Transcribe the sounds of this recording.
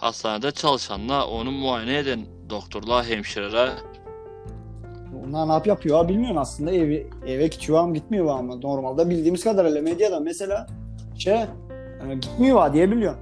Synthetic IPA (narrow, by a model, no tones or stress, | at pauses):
ha̰st̪aːnad̪at͡ʃʰalˠɯʃanlˠao̞nunmuaːjeneed̪æn | d̪ok̚t̪ʰoɾlˠaɦɛmʃiɾaɾa | unanapjapʰɯjoabilʲmijo̞ɾmaslˠɯnd̪aɛv | ɛvɛcʰi̥t͡ʃʰivaːmɟit̪̚mijovaːmɯd̪oɾmalˠd̪abilʲd̪iːmizkʰad̪aɾelʲɛmed̪jad̪amese̞lʲaː | ʃe | ɟit̪mijo̞βaːd̪ijɛbilʲijo